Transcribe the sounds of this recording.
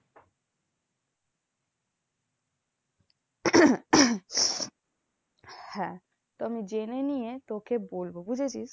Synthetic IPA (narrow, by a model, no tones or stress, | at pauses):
hɛ̃ | t̪ɔmid͡ʒenenijet̪okʰebolbobud͡ʑʱet͡ɕʰis